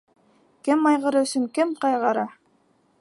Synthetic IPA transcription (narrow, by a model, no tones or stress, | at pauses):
kɘmɑjʁɑɾɯwsyŋkɘmqɑjʁɑɾɑ